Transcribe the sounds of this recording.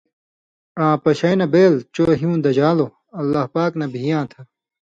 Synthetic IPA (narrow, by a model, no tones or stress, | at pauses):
ãːpɐɕɐjnɐbeːlt͡ɕoːɦiũːd̪ɐd͡ʑaːlo | ɐlːahpaːknɐbʱijãːt̪ʰɐ